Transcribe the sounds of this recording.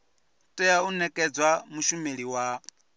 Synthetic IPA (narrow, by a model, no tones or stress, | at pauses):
tʼɛaunɛkʼɛd͡zwamuʃumeɺiwa